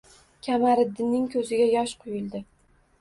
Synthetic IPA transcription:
kʲʰamaɾɪd̪ːɪnːɪŋkʲʰɵzɪɡʲajɒʃqʰʊjɪlˠd̪ɪ

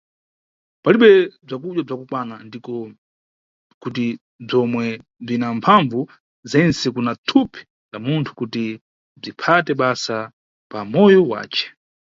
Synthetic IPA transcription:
paliɓɛb͡ʐakuɗwab͡ʐakukwanandikɔ | kut̬i | b͡ʐɔmwɛb͡ʐinampʰaɱvu | zɛnsɛkunatʰupʰi̥ | lamuntʰu̥kuti | b͡ʐipʰatɛɓasa | pamɔjɔwa̰ːt͡ʃɛ̥

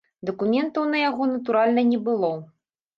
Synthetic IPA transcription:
d̪ɐkumʲɛnt̪ɐwnɐjaɣɔnɐt̪̬uɾalʲnɐnʲɛbɨlˠɔ

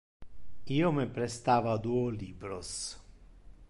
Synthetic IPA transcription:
iːomepɾest̪aːvad̪uːoliːbɾos

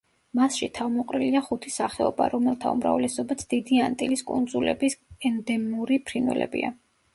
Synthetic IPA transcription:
masʃit̪ʰavmɔqʼɾiliaχut̪ʰisaχɛɔba̰ɾɔmɛlˠt̪ʰaṵmɾa̰vlɛsɔbat̪sʰd̪̥id̪iant̪ʼiliskʼṵnd̪zulɛ̰bisɛnd̪ɛmuɾipʰɾinwɛ̰lɛ̰bḭa̰

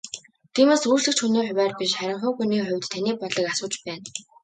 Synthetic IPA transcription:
t̪ʰiːmeːsuːt͡ɕɮɘ̆kt͡ɕxuneːħʊwʲæːrpiʃχæɾʲɪ̆ɴχœːɣuniːχʊ̟wʲt̪t̪ʰːaniːpɔɮə̆kasʊːt͡ɕpæːn

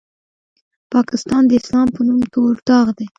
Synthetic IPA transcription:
pɑkɪst̪ɑnd̪əɪslɑmpənumt̪oɾt̪ɑɣd̪e

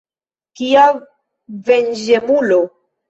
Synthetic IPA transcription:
kia | vend͡ʒemulo

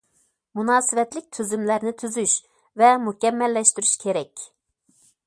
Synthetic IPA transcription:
munɑːsɨvɛt̪lɪk̚ʲt̪ʰyzymlæɾnɪt̪ʰyzyʃ | vɛmukʲɛmːɛlːɛʃt̪yɾyʃkʲʰeɾɛkʲ

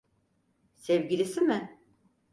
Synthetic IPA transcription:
sɛvɟilʲisimɪ

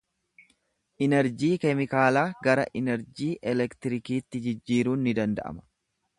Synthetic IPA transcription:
ʔɪnɛɾd͡ʒiːkɛmɪkaːlaːɡɐɾɐ̰ʔɪnɛɾd͡ʒiːʔɛlɛkt̪ɪɾɪkiːt̪ːɪd͡ʒɪd͡ʒːiːɾuːnːɪd̪ɐnd̪ɐ̰ʔɐ̰mɐ̥

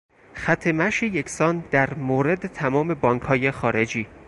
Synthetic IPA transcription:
xæt̪ʰemæʃejecʰsɒːnd̪æɾmoːɾe̞d̪et̪ʰæmɒːme̞bɒːŋkʰhɒːje̞xɒːɾe̞d͡ʒiː

